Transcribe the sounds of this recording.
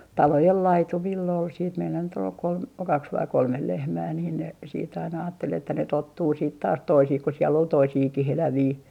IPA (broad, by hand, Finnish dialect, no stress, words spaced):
tɑlojel lɑitumilː ol siːt meilːæ nyt ol kolm kɑks ʋɑi kolmel lehmæː niːn ne siːt ɑinɑ ɑːtːel etːæ ne totːuː siːt tɑːs toisih ku sielː ol toisiːkihelæʋiː